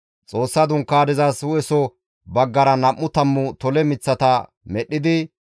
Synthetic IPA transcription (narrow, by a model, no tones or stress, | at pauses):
t͡sʼo̞ːsːɐd̪ʊŋkːaːd̪ɪzaswʊɛsɔ | bɐɡːɐɾɐnɐʔːʊt̪ɐmːʊt̪ɔlɛmɪt͡sːɐt̪ɐ | mɛɗːɪd̪ɪ